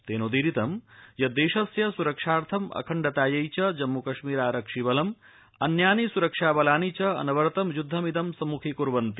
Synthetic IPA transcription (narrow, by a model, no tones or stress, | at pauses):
t̪eːnud̪iɾit̪ɐmjɐd̪eːʃɐsjɐsuɾɐkʂaːɾt̪ʰɐmɐ̰kʰɐɳɖɐt̪aːjɐjt͡ʃɐd͡ʒɐmːukɐʃmiːɾaːɾɐkʂiʋɐlɐm | ɐnjaːnisuɾɐkʂaːbɐlaːnit͡ʃɐɐ̰nɐʋɐɾt̪ɐmjud̪ʱːɐmid̪ɐmsɐmukʰikuɾʋɐnt̪i